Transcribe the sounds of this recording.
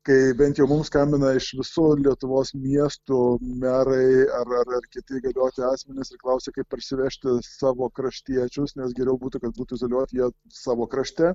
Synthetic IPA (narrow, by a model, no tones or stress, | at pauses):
kɐɪbʲɛnt̪jɛʊmʊmskɐmʲbʲɪnɐɪʃʋʲɪsuːlʲiɛt̪ʊʋoːsmʲiɛst̪ʊmʲæːɾɐɪɐrɐrɐrkʲɪt̪ɐɪɡɐlʲoːt̪ʲɪɑːsʲmʲɛnʲɪsɪɾklˠɐʊsʲekɐɪppɐɾʲsʲɪʋʲɛʃʲt̪ʲɪsɑːʋoːkɾɐʃʲt̪ʲiɛt͡ʃʲʊsnʲɛs̬ɡʲɛɾʲɛʊbuːt̪ʊkɐt̪̚buːt̪uizoːlʲuɔt̪ʲjiɛ | sɑːʋoːkɾɐʃʲt̪ʲæ